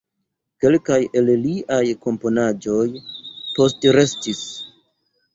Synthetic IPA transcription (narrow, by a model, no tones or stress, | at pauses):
ke̞lkaje̞lliʔajko̞mpo̞nad͡ʒo̞jpo̞stɾe̞stis